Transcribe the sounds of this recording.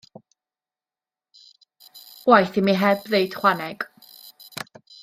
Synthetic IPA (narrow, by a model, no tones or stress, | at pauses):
wajθimiɦɛbðejd̥χwanɛɡ̥